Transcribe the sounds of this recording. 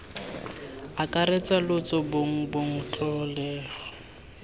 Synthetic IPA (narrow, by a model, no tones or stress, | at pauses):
akʼaɾet͡sʼalʊt͡sʼɔboŋ̩boŋ̩tʰʼɔlɛːɣɔ